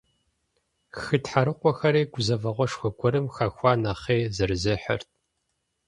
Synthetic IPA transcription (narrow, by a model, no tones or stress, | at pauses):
xɨtħaɾɨqʷɔxɐɾeːɡʷʊzɐvɐʁʷɔʂxʷɔɡʷʰʼɔɾɨmxɐxʷɑːnɐχeːzɨrɨzɨħə̰rt̚ʰ